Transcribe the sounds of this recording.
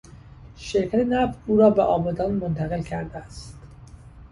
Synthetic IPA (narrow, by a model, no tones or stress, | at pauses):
ʃeɾcʰæt̪ʰenæft̪uːɾɒːbeʔɒːbɒːd̪ɒːnmont̪ʰæɣe̞lkʰæɾd̪eæst̪